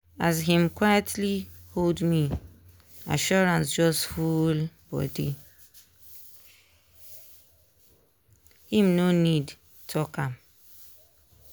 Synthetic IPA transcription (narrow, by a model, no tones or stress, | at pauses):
azɦĩmkwajatʰliholdmi | a̰ʃɔɹãnsd͡ʒɔsfulb̥ɔ̰dḭ | hĩmnonid | tʰɔkãm